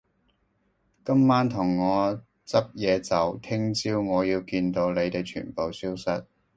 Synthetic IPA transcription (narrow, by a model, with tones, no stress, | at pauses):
kɐ˥mːaː˥nt̪ʰʊ˨˩ŋːɔː˨˧ | t͡sɐ˥p̚jɛː˨˧t͡sɐ˨wt̪ʰɪ˥ŋt͡siː˥wŋɔː˨˧jiː˧wkiː˧nt̪o˨˧wle˨˧jt̪e˨jt͡ʃʰy̰ː˨˩npo˨wsiː˥wsɐ˨t̚